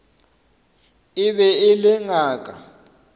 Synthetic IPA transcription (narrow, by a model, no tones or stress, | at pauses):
iɓɛilɪŋaːk̬ʼa̰